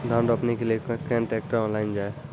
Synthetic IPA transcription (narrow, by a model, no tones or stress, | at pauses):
d̪ʱãɳɖəpnekeliekkɾɛ̃ɳʈeːk̚ʈəɾɔ̃nlaːɪnd͡ʒaːe